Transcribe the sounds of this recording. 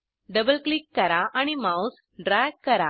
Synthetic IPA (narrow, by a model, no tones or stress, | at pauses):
ɖɐbəlklikːɐɾaʔañimaus | ɖɾaːkkːɐɾa̰